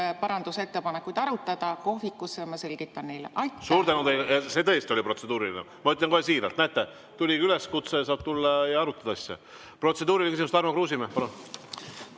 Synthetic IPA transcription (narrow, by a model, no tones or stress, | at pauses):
pɑɾɑnd̪̥use̞t̪ːe̞pɑnekːˑujd̪̥ɑɾut̪ːˑɑd̪̥ɑko̞hvikːˑusːejmɑse̞lʲɡ̥it̪ːˑɑnnejleʔɑsuːɾt̪ænut̪ejljɑse̞t̪ɤjst̪io̞lʲipro̞t̪se̞d̪̥uːɾilinḛ | mɑyt̪ʲːˑlʲːjɑŋkohesiːɾɑ̰lt̪næt̪ːˑe | t̪ulʲiyle̞skut̪sejɑsɑːb̥̚t̪ulːɑjɑɑɾut̪ːˑɑd̪ɑɑsʲːɑ̰ | pro̞t̪se̞d̪uːɾilkysimust̪ɑrmɑkruːsimehpɑlun